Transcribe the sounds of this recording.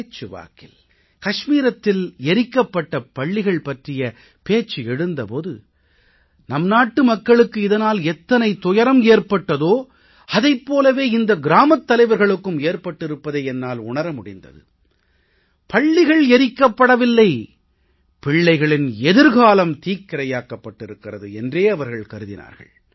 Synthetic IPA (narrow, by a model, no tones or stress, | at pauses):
t͡ʃːɯʋa̰ːkɪl | kɐʂmiːɾɐt̪ːɪlɛɾɪkːɐpːɐʈːɐpɐɭːɪɣɐɭpɐʈrɪjɐ | peːt͡ʃːɯɛɽɯnd̪ɐpoːðɯ̰ | nɐmnaːʈːɯmɐkːɐɭɯkːɯɪðɐnaːlɛt̪ːɐnɐɪt̪ʊjɐɾɐmeːɾpɐʈːɐðoː | ɐðɐɪpːoːlɐʋeːɪnd̪ɐɡɪɾaːmɐt̪ːɐlɐɪʋɐɾɣɐɭɯkːɯmeːɾpɐʈːɪɾɯpːɐðeɛnːaːlʊɳɐɾɐmʊɽɪnd̪ɐ̰ðɯ̰ | pɐɭːɪɣɐɭɛɾɪkːɐpːɐɽɐʋɪlːɐɪ | pɪɭːɐɪɣɐɭɪnɛðɯɾɣaːlɐmt̪iːkːɪɾɐjaːkːɐpːɐʈːɪɾɯkːɪrɐðɯɛndreːɐʋɐɾɣɐɭkɐɾɯðɪ̰na̰ːɾɣɐ̰ɭ